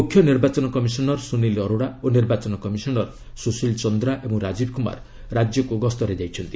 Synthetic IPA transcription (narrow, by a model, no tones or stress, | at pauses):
mukʰjɔniɾbat͡ʃɔnɔkɔmisɔnɔɾsunilɔɾoɽaoniɾbat͡ʃɔnɔkɔmisɔnɔɾ | susilt͡ʃɔnd̪ɾaʔebɔŋɾad͡ʒibkuma̰ɾ | ɾad͡ʒjɔkuɡɔst̪ɔɾed͡ʒajt͡ʃʰɔnt̪i